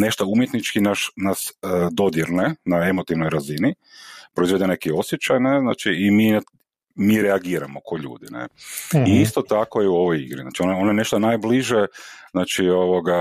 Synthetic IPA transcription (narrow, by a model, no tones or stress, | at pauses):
ne̞ʃt̪oumjet̪nit͡ʃkinaʃnasd̪o̞d̪jeɾne̞nae̞mot̪iʋnojɾazini | pɾoizʋed̪ene̞kio̞sjet͡ʃajnezna̰ːt͡ʃiːmina | miːɾɛaɡiːɾamokʰo̞ʎṵːd̪inḛiist̪ot̪akojeuo̞ʋojḭɡɾizna̰ːt͡ʃiononajene̞ʃt̪onajbliʒeznaːt͡ʃio̞ʋoɡa